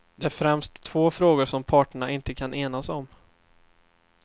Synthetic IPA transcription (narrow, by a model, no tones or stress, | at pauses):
d̪ɛæɾfɾɛmst̪ʰːv̥oːfɾoːɡʊɾʂɔmpʰɑːʈəɳaʔɪnt̪əkʰanʔeːnasɔm